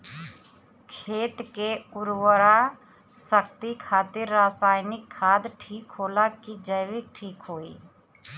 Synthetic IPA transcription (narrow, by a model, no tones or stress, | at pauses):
kʰeːt̪keʊɾwəɾa | səkt̪ikʰaːt̪ɪɾːaːsaːɪnɪkʰːaːd̪ʈʰiːkɦoːlakid͡ʒəjʋɪk̚ʈʰiːkɦoːḭː